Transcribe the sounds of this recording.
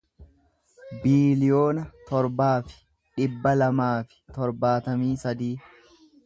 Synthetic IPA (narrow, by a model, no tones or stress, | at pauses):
biːlɪjo̞ːnɐt̪ɔɾbaːfɪ̥ | ᶑɪbːɐlɐmaːfɪ̥t̪ɔɾbaːt̪ɐmiːsɐd̪iː